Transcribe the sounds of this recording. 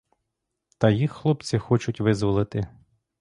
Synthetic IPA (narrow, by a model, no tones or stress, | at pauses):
t̪ɐjixːlˠɔpt͡sʲɪxɔt͡ʃʊtʲʋɪzʋɔlˠɪt̪ɪ